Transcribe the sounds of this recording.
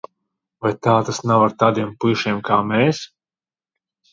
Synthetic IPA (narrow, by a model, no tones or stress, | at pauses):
vajt̪aːt̪asnawaɾt̪aːd̪iɛmpɨʃiɛmkaːmɛːs